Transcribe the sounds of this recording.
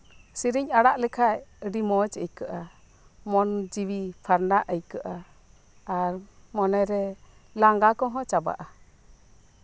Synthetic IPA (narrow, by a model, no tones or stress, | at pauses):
siɾiɲaɽaʔlɛkʰajəɖimɔt͡ʃəjkəʔa | mɔnd͡ʒiwipʰaɾnaʔəjkəʔa | aɾmɔnɛɾɛlaŋɡakɔ̃ɦɔ̃t͡ʃaba̰ʔa